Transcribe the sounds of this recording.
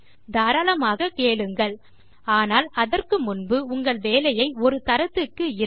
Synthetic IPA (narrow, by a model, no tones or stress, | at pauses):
d̪aːɾɐlɐmaːɣɐkeːɭɯŋɡɐɭ | aːnaːlɐðɐrkɯmʊnbɯʊŋɡɐɭʋeːlɐjɐɪɔɾɯt̪ɐɾɐt̪ːɯkːɯɪ